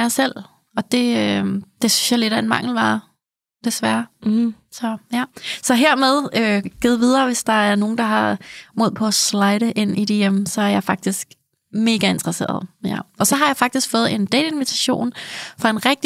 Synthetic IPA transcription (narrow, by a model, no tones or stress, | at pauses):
asel̰ | ɒ̽d̥e̝ød̥e̝synsjɑɪleɾæe̝nmɑ̈ŋ̰l̩ʋɑ̈ | d̥e̝sʋæɐ | sɒ̽jæsɒ̽ɦeɐ̰með̞ˠøɡ̥ið̩ˠʋið̞ˠɐːʋe̝sd̥ɑ̈æɐno̝ːn̩d̥ɑ̈ɦɑ̈moð̰ˠpʰɒ̽æslɑ̈ɪɾəʔe̝n̰id̥ejemsɒ̽æɐjɑ̈ɪfɑ̈ɡ̥̚d̥isɡ̥ | me̝ːɡ̥æe̝nt͡sʁɐse̝̰ːɐð̞ˠjæɒ̽sɒ̽ɦɑ̈jɑ̈ɪfɑ̈ɡ̥̚d̥isɡ̥fɔ̽ːð̩ˠe̝nd̥ɛ̰ːde̝nʋit͡sʰæɕo̝̰ːnfʁɑ̈e̝nʁɛɡ̥̚d̥i